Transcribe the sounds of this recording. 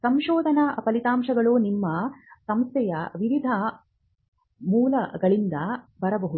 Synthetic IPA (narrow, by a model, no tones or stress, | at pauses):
sɐmʃɔːd̪ʱɐnɐpɐlit̪aːmʃɐɡɐɭoːnimːɐsɐmst̪ʰjɛjɐʋiʋid̪ʱɐ | muːlɐɡɐɭind̪ɐ | bɐɾɐbɐɦuu